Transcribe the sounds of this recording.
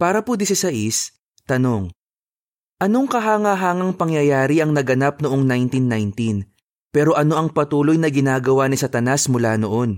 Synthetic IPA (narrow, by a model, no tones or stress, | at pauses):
paːɾɐpud̪isɪsɐʔis | t̪ɐno̞ŋ | ʔɐno̞ŋkɐɦaːŋɐɦaːŋɐŋpɐŋjɐjaːɾiʔɐŋnɐɡɐnap̚noʔo̞ŋnajnt̪inːajnt̪in | pɛːɾo̞ʔɐno̞ʔɐŋpɐt̪uːlo̞jnɐɡɪnaːɡɐwanisɐt̪ɐnasmʊlaːnoʔo̞n